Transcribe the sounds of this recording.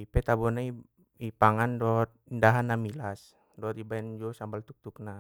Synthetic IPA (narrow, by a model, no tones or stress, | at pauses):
ipɛt̪abɔnai | ipaŋandɔt̪̚indaɦanːamilas | dɔːt̪ibaɛnd͡ʒuɔsambalt̪uk̚t̪uk̚na